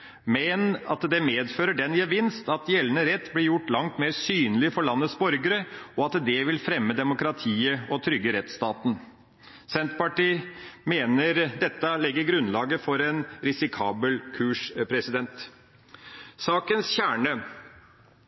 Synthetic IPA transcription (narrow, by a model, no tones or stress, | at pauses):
mɛnɑ̰t̪d̪ɛmeːd̪føːɾəɖɛnjɛʋɪnst̪ɑt̪jɛlənəɾɛt̪ːblɪɾjʊʈːlɑŋt̪meːɾsyːnəlɪfɔɭɑnːət̪sbɔɾɡəɾəɔɑt̪d̪ɛʋɪlfɾɛmːəd̪ɛmʊkɾɑt̪ʰiːəɔt̪ʰɾʏɡːəɾɛt̪st̪ɑːt̪n̩ | sɛnt̪pɑʈiːmeːnəɾd̪ɛt̪ːəlɛɡːəɾɡɾʉnlɑːɡəfɔɾɛnɾɪsɪkʰɑːbəlkʰʉːʂpʰɾɛsɪd̪ɛnt̪ | sɑːkənsçæːɳə